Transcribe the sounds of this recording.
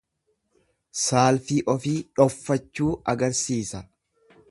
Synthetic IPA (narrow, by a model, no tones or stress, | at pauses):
saːlfiːʔɔfiːᶑɔfːɐt͡ʃːuːɐɡɐɾsiːsɐ